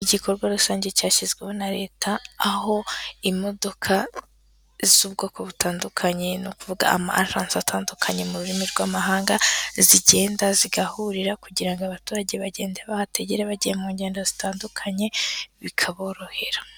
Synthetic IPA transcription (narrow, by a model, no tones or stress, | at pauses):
iɟikʰo̞ɾɡwaɾusaːɲɟe̞caːʃizɡwe̞ho̞naɾe̞ːtʰaːho̞imo̞do̞kʰa | z̥uːbɡo̞ːko̞βutaːndukʰaɲe̞nokuvuɡa̰a̰ma̰ʔa̰ɾaːnsatʰaːndukʰaɲe̞muɾuɾimiɾɡwaːmaɦaːŋɡaziɟe̞ːndaziɡahuɾiɾakuɟiɾaŋɡoaβatuːɾaɟeβaɟe̞ːndeβahate̞ɟeɾeβaɟijemuːɲɟe̞ːndazitaːndukʰaɲe̞βikʰaβo̞ːɾo̞he̞ɾḁ